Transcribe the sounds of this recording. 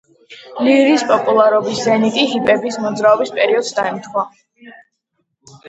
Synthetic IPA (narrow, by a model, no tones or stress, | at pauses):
liɾiːspʼɔpʼulˠaɾɔbiszɛnit̪ʼiɦipʼɛbismɔd̪zɾaɔbispʼɛɾiɔd̪sd̪aɛmt̪ʰwa